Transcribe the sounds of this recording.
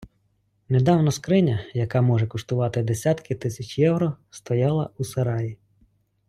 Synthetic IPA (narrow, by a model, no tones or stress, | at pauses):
ned̪ɑwnɔskɾɪnʲɐjɐkɑmɔʒɛkʊʃt̪ʊʋɑt̪ɪd̪esʲɑt̪kɪt̪ɪsʲɐt͡ʃʲjɛwɾɔst̪ɔjɑlˠɐ̰usɐɾɑji